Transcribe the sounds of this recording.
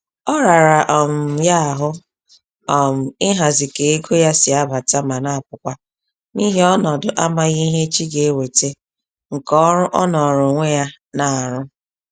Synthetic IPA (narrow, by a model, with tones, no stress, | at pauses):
ɔ˦ɾa˨ɾa˨ʔɔ˨m̩˨ja˦a˨ɦʊ˦ | ɔ˨m̩˨ɪ˦ɦa˨zɪ˨ke˨e˦ɡo˦ja˦sɪ˨a˦ba˨ta˦ma˨na˦a˨pʊ˨kʷa˦ | ni˦ɦe˦ɔ˦nɔ˨dʊ˨ʔa˦ma˦ɣi˦ɦe˦t͡ʃi˦ɡe˨˦we˨te˦ | ŋ̩˨kɔ˦ɾʊ˦ʔɔ˦nɔ˨ɾʊ˨ŋʷe˦ja˦ | na˨a˨ɾʊ˦